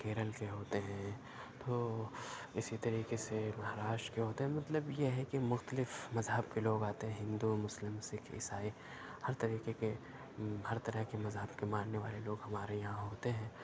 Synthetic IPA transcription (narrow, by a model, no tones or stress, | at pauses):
keːɾəlkeɦoːt̪eɦɛ̃ | t̪oː | ɪsit̪ɐɾiːkesemɐɦɾaːʃʈkeɦoːt̪eɦɛ̃mɐt̪ləbjeɦɛkimʊxt̪əlɪfmɐzɦəb̚keloːɡaːt̪eɦɛ̃ɦɪ̃nd̪umʊslɪmsɪkʰɪ̰saːi | hɐɾt̪ɐɾiːqeke | hɐɾt̪ɐɾəɦkemɐzɦəbkemãːnneʋa̰ːleloːɡɦɐmaːɾejɐɦãɦoːt̪eɦɛ̃ː